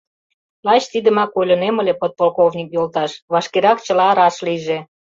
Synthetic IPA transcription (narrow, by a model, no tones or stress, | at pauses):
lɑt͡ɕt̪id̪ə̆mɑkolʲə̆nemə̆lepot̪̚polkovnʲikjolt̪ɑʃβɑʃkeɾɑkt͡ɕə̆lɑːɾɑʃliʒe